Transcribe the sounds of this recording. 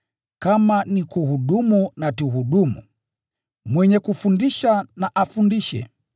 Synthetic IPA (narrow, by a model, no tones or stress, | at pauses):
kamanikuhuɗumunatuɦuɗumṵ | mwɛɲɛkufundiʃanaʔafundiʃɛ̰